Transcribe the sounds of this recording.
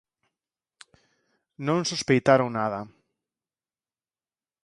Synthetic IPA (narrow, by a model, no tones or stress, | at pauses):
nõŋsuspejt̪aɾoŋnaðɐ